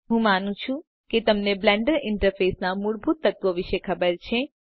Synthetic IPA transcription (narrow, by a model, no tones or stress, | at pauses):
ɦũmanũt͡ʃʰũ | ket̪əmneblɛɳɖəɾɪɳʈəɾfesnamuɭbʱut̪ːət̪ʋoʋɪʃekʰəbəɾt͡ʃʰe